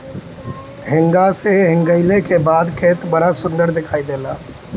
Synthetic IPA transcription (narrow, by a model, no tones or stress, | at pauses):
ɦɪŋɡaseɦɪ̃ŋɡəɪlekebad̪kʰet̪bəɽasʊnd̪əɾd̪ɪkʰaːid̪ela